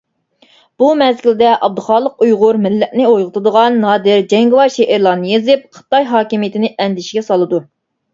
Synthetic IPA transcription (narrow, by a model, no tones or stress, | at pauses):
b̥umɛzkʲild̪ɛʔɑb̚d̪ɨχɑːlˠəqujʁʊɾmɪlːɛʔnɪojʁət̪ʰɨd̪əʁɑnːɑːd̪ɪɾd͡ʒɛŋɡɪwɑɾʃeʔɪɾlˠɑːnɨjezɪp̚qʰə̥t̪ɑjɦɑːkʲimijɪt̪ʰɪnɪʔɛnd̪ɪʃiɡʲɛsɑlˠɨd̪u